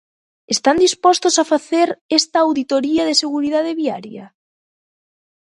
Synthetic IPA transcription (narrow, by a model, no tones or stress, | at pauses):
est̪and̪ispɔst̪osafaθeɾɛst̪aːwðit̪oɾiɐðeseɣuɾiðað̞eβiaɾjɐ